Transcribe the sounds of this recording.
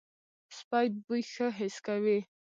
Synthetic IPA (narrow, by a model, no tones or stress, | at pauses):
spajt̪̚bujxəɦɪskawi